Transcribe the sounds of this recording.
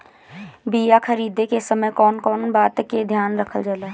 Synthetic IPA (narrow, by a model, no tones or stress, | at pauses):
bijakʰəɾiːd̪ekesəməjkɔːnkɔːnbaːt̪ked̪ʱjaːnɾəkʰəld͡ʒaːlaː